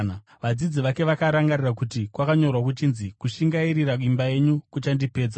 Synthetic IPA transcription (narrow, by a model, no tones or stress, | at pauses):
na | ʋad͡zid͡ziʋake̞ʋakaɾaŋɡarirakutikwakaɲo̞rwak̬ut͡ʃinzikuʃiŋɡaiɾirakimbaje̞ɲukut͡ʃandipe̞ːd͡za